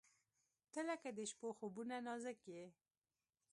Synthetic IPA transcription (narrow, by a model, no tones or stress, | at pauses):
t̪əlakad̪əʃpoxobunanɑzəkje